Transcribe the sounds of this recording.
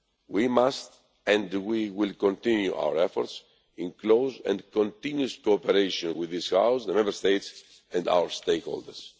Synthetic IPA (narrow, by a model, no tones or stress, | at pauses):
wimast̪ | ɛ̃ndwiwilkõnt̪ĩnjuʔa̰wə̰ɾefoɾt̪s | ĩnklowzɛ̰̃nd̪kõnt̪ĩnjuskoːpeɾejʃõnwiðishawsðəmɛ̃mbəɾst̪ejt̪s | ɛ̃nd̪a̰wəɾst̪ejkho̰ld̪ə̰ɾs